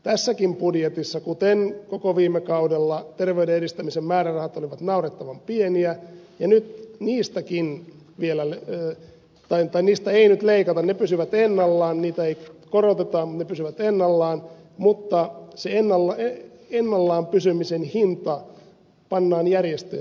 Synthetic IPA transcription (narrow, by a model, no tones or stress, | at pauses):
t̪æsːækimpudjet̪isːɑkut̪enkokoʋiːmːekɑudelːɑt̪erʋeydeedist̪æmisemmæːrærɑhɑt̪oliʋɑt̪nɑuret̪ːɑʋɑmpieniæjɑnyt̪niːst̪ækin | ʋielæl | t̪ɑit̪ɑiniːst̪æeinyt̪leikɑt̪ɑnnepysyʋæt̪enːɑlːɑːnniːt̪æeikorot̪et̪ɑmmut̪nepysyʋæt̪enːɑlːɑːn | mut̪ːɑseenːɑlːɑe | enːɑlːɑːmpysymisenhint̪ɑ | pɑnːɑːnjærjest̪ḛː